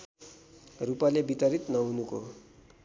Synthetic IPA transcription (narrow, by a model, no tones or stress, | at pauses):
rupalebit̪ʌɾit̪nʌɦunuko